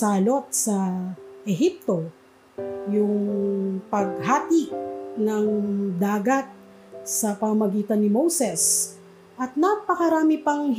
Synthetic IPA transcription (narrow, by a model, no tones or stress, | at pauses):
aːlo̞t̪̚sɐʔɛɦip̚t̪o̞ | jʊŋpɐɡ̚ɦaːt̪iʔnɐŋd̪aːɡɐt̪̚ | sɐpɐmɐmɐɡiːt̪ɐnːɪmowsɛs | ʔɐt̪̚napɐkɐɾaːmɪpɐŋ